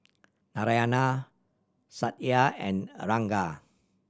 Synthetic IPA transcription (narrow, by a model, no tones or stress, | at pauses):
naɾajana | sat̪̚jaɛ̰̃nɾaŋɡa